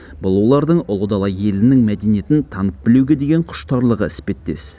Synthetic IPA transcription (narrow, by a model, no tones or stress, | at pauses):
bʊlˠuwlˠɑɾd̪əɴʊlˠəd̪ɑlˠɑje̞lɪnɪŋmæd̪enije̞t̪ɪnt̪ʰɑnəp̚bɪluɡʲe̞d̪eɡʲeɴqʰʊ̥ʃt̪ɑɾlˠəʁə̰ɪspe̞t̪ːe̞̰s